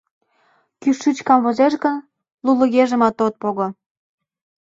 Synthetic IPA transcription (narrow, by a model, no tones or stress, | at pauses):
kyʃːyt͡ɕkɑmvozeʃɡə̆n | lulə̆ɣeʒə̆mɑt̪ot̪̚poɣŏ